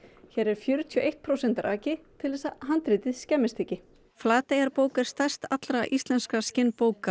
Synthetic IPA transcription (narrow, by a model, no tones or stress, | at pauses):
çɛːɾɛɾ̥fjœɾʏt̪ʰjɔʔeht̪̚pʰɾowsɛnt̪aɾʔaːcɪt̪ʰɪlðɛsaɦant̪ɾɪt̪ɪðscɛmɪst̪ʰecːɪ | flaːt̪ejɣaɾpoːwkaɾ̥st̪ajr̥st̪at̪lɾaʔist̪lɛnskascɪnːpoːwka